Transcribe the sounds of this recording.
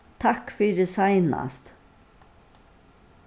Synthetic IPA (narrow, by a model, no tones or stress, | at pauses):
t̪ʰakfyːɾəsajna̰st̪